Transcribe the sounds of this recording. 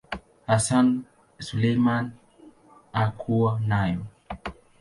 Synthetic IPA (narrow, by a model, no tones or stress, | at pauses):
hasan | sulejman | akʰuanajɔ